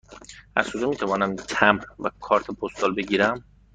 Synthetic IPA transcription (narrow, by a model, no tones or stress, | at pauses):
ʔæ̰z̥kod͡ʒɔːmiːt̪ʰævɒːnæmcʰæmvækʰɒːɾt̪ʰepʰost̪ɒːlbeɟiːɾæm